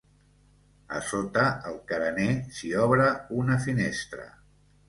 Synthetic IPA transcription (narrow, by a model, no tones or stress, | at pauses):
ə̰sot̪əəlˠkəɾənesiɔβɾəunəfinest̪ɾə̰